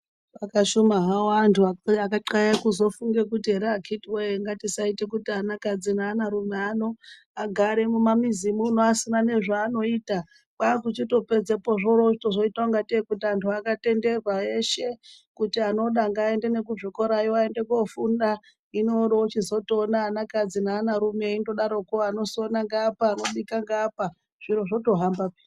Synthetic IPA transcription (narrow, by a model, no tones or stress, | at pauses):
akaʃumaɦawoantʰuaakaǃaekuzo̞fuŋɡe̞kutiɦeɾeakʰitiwejeŋɡatisaitekutianakad͡zinaːnaɾumeano̞ | aɡʱaɾe̞mumamizimun̤uasinane̞ʐaːno̞iːta | kaːkut͡ʃito̞pe̞d͡zepoʐoɾoʐitoʐo̞itaoŋɡatekutiantʰuakate̞nde̞rwae̞ʃe̞kutiano̞ɗaŋɡaːe̞nde̞ne̞kuʐoko̞ɾajoae̞nde̞kofunda | inoɗot͡ʃizo̞tonaːnakad͡zinaːnaɾume̞indoɗaɾo̞kuano̞sonaŋɡapaːno̞ɗikaŋɡaːpa | ʐ̥iɾoʐo̞to̞ɦambaki